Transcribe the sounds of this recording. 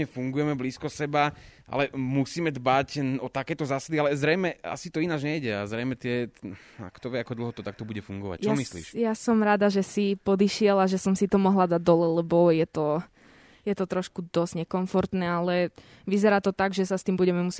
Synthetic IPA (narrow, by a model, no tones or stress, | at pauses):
ɲɛfuŋɡujɛmɛbliːskɔsɛbaʔa̰lɛmusiːmɛd̪bacɔt̪akɛːt̪ɔzaːsad̪ialɛzɾɛjmɛa̰sit̪ɔinad͡ʒɲɛjɟɛa̰zɾɛjmɛt̪ɪɛ | a̰kt̪ɔʋɪɛakɔd̪l̩ˠɦɔt̪ɔt̪ak̚t̪ɔbuɟɛfuŋɡɔ̰ʋa̰c̚t͡ʃamislḭːʃjasɔmɾaːd̪aʒɛsipɔd̪iʃɪɛlaʒɛsɔmsit̪ɔmɔɦlad̪ad̪ɔlɛlɛbɔjɛt̪ɔ | jɛt̪ɔt̪ɾɔʃkud̪ɔz̥ɲɛkɔɱfɔɾt̪nɛːalɛ | ʋizɛɾaːt̪ɔt̪aɡʒɛsast̪iːmbuɟɛmɛmus